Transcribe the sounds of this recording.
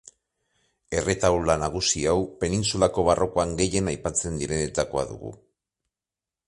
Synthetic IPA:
e̞re̞t̪awlanaɣ̞usiawpe̞ninsulako̞β̞aro̞koaŋɡe̞je̞najpat͡se̞nd̪iɾe̞net̪ako̞a̰ðṵɣṵ

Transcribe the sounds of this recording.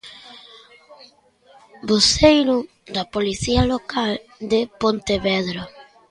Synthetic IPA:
bosejɾʊ | d̪ɐpoliθiɐlokʰald̪ɪpont̪eβɛðɾʊ

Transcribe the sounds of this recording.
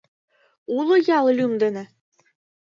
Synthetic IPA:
ulˠɤ̆jɑlˠlʲymd̪ɘ̆nɘ̆

